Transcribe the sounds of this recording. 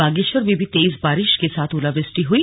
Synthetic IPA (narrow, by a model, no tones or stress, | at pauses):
aɡiʃoɾbibʱit̪ejs̬baɾiʃkesat̪ʰulabesʈiɦui